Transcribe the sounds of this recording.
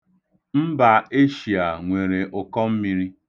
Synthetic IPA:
m̩˦ba˨e˦ʃi˨a˨ŋʷe˨ɾe˨ʔʊ˨kɔ˦m̩˦mi˦ɾi˦

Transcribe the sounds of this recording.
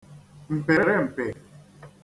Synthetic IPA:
m̩˨pɛ˨ɾɛ˦m̩˨pɛ˨

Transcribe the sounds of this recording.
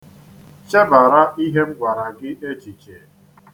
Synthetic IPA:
t͡ʃe˦ba˨ɾa˦i˦ɦe˦ŋ͡m̩˦ɡʷa˨ɾa˨ɡɪ˦e˦t͡ʃi˨t͡ʃe˨

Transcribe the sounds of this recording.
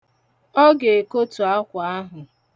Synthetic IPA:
ɔ˦ɡe˨e˨ko˦tu˨a˦kʷa˨a˦ɦʊ˨

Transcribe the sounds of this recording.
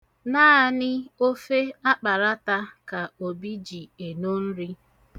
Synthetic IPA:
naː˦˨nɪ˦o˦fe˦a˦k͡pa˨ɾa˦ta˦ka˨o˨bi˦d͡ʒi˨e˨no˦n̩˦ɾi˦

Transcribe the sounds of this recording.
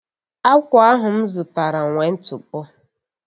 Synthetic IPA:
a˦kʷʊ˨˦a˦ɦʊ˨m̩˦zʊ˨ta˨ɾa˨ŋʷe˨n̩˦tʊ˨pʊ˦

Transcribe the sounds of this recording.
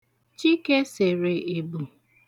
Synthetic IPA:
t͡ʃi˦ke˦se˨ɾe˨e˨bu˨

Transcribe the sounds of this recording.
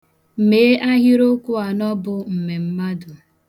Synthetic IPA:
me˨˦ʔa˦ɦɪ˦ɾo˦kʊ˦a˨nɔ˦bʊ˨m̩˨me˨m̩˦ma˦dʊ˨

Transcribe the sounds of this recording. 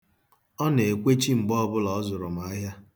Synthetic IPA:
ɔ˦ne˨e˨kʷe˦t͡ʃi˦ŋ͡m̩˨ɡ͡bɔ˦ɔ˦bʊ˦lɔ˨˦zʊ˨ɾʊ˨m̩˨a˦ɦja˦

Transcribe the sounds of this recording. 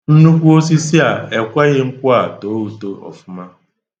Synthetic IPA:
n̩˦nu˦kʷu˦o˦s̬i˦si˦a˨e˨kʷɛ˦ɣɪ˦ŋ̩˦kʷʊ˦a˨toː˨˦u˨to˦ɔ̰˨fʊ˦ma˦

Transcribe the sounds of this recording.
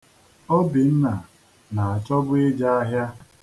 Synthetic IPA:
ɔ˦bɪ˨n̩˦na˨ | na˨a˨t͡ʃɔ˦bʊ˦e˦d͡ʒa˦a˦ɦja˦

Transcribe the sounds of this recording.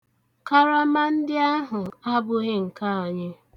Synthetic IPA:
ka˦ɾa˦ma˦n̩˦dɪ˦a˦ɦʊ˨a˦bʊ˦ɣe˦ŋ̩˨ka˦a˨ɲɪ˦

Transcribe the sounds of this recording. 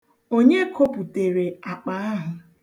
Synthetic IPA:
o˦ɲe˦kʰo˦pu˨te˨ɾe˨a˨k͡pa˦a˦ɦʊ˨

